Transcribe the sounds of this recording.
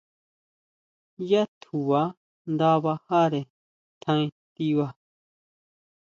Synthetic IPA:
ja˦t̪ʰu˨wa˨˦ | nd̪a˦βa˧ha˦ɾe˨ | t̪ʰã˧ĩ˦t̪i˦wa˦

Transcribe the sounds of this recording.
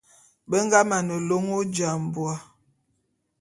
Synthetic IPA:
bə˦ŋ˦ɡa˦ma˨nə˨lo˦ŋo˦d͡ʒa˨m˨bwa˨˦

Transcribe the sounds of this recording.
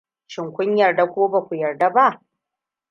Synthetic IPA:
ʃɪ˨ŋkʷʊ˦ɲjɐ˨rda˨kʷoː˦ba˨kʷu˨jɐ˨rda˦ba˦ʔ

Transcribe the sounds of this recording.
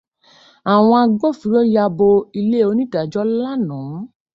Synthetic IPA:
a˨w̃ɔ̃˧a˧ɡ͡bo˦˨fi˨˦ɾɔ˦ja˧bo˧i˧le˦˨o˧˦nĩ˦da˨d͡ʒɔ˦la˦nɔ̃˨˦

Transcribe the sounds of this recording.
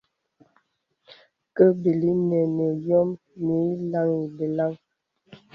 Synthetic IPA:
kə˦bi˨li˦nɛ˨nə˨jɔ˦m | ni˨˦la˦ŋi˨be˨la˦ŋ

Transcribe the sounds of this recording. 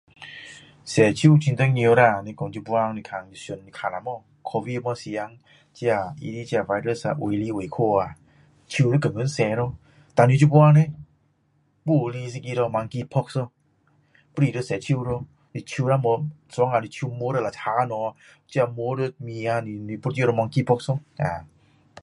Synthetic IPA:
sɛ˨˩t͡ʃʰi˧˨t͡ʃʰi˧nt̪ə˧˦ŋɲi˧ɾa˧˩˨ni˧kɔ˧nt͡ʃu˧bwa˧ŋ˧ni˧kʰa˧˩˨ŋi˧˨so˧˨ni˧kʰa˧˨na˨mɔ˧˨ | kʰɔ˧vi˧mɔ˧si˧ja˧˦ŋ | t͡ɕi˧a˧˩ḭ˧di˧˦t͡ɕi˧a˧˨va˧jɾə˧˨sa̰˧ʔwo˨li˧˦˨we˨˩˨kʰo˧˩a˨ | t͡ʃʰi˧ɾə˦kə˨˩ŋə˧˦nsɛː˨˧˦ɾɔ˧ | t̪a˨ni˧˦t͡ʃu˧bwa˧ŋne˧˦ | bu˧˨li˧s̬i˧ki˧ɾɔ˧ma˧ŋki˧pʰɔ˦k̚sɔ˧ | pu˧ɾi˧də˧˨sɛː˨˧˦t͡ʃʰi˧wɾo˧ | ni˧t͡ʃʰi˧na˧˨mɔ˧˦sɔ˨˧˦ŋa˧˨ni˧t͡ʃʰi˧mo˧˦ɾə˧la˨t̪ʰaː˧˦˧nɔ˧ | t͡ʃi˧a˧mo˧˦ɾə˧˨mi˧a˧ni˧˨ni˧pu˧˦t͡ʃi˧ɾɔ˧ma˧ŋki˧pʰɔ˦˧k̚sɔ˧˨ŋa̰ː˨

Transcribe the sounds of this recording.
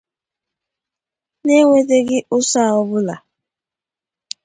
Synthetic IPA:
ne˦ŋʷe˦de˦ɡɪ˦ʔʊ˦sa˦˨ɔ˦bʊ˦la˨

